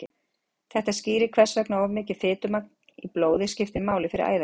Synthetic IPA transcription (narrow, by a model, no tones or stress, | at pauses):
ɪ | θɛht̪aðsciːɾɪkʰv̥ɛ̥svɛknaɔvmɪːcɪð̥fɪːt̪ʏmak̪̚n̥iploːwðɪscɪft̪ɪmaːwlɪfɪɾɪ̰ɾʔa̰ːjða